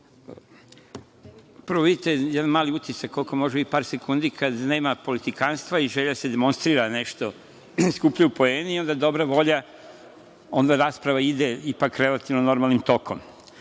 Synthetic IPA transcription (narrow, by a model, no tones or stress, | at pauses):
pəɾʋoʋid̪it̪e̞jɛd̪anmaːliut̪isakːo̞lˠko̞mo̞ʒeipaːɾsekund̪ikʰad̪ne̞ːmapo̞lit̪ikanst̪ʋaiʒeʎase̞d̪emo̞nst̪ɾiːɾane̞ʃt̪o̞ | skupʎaupo̞eːniiːo̞nd̪ad̪o̞bɾaʋo̞ʎa | o̞nd̪aɾaːspɾaʋaid̪eipakːɾe̞lat̪iʋnono̞ɾmaːlnimt̪o̞kʰo̞̰m